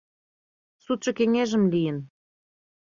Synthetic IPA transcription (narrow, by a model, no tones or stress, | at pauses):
sut̪̚ʃɤ̆keŋeʒə̆mlijə̆n